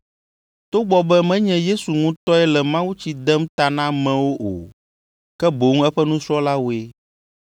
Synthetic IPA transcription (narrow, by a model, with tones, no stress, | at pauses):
t̪o˦ɡ͡bɔ˦bɛ˦mɛ̃˦ɲɛ̃˦je˦su˨ŋũ˦t̪ɔ˦ɛ˦lɛ˨mã˦wu˦t͡ɕi˦d̪ɛ˦mt̪a˨nã˦mɛ̃˦wo˦ʔo̰˨ | kɛ˦bo˨ŋ˦ɛ˦ɸɛ˦nũ˦sɾɔ˦la˦wo˨e˦